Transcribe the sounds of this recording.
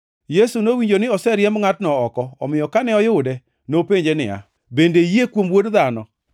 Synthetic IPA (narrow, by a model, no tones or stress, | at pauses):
jesunowiɲd͡ʒonɪɔsɛɾjɛmŋatnɔɔkɔɔmɪjɔkanɛɔjʊdɛ | nopeɲd͡ʒenɪ̰a̰ | bendejekwomwodðanɔ